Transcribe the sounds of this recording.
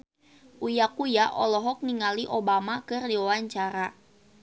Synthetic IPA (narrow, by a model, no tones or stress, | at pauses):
ʔujakujaʔɔlɔɦɔk̚niŋaliʔobamakɨrdiwawaɲt͡ʃaɾa